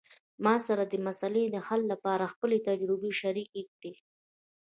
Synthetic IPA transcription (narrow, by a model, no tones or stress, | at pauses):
mɑsaɾad̪əmasaled̪əhalːapɑɾaxpəlet̪ad͡ʒɾubeʃaɾik̚d̪e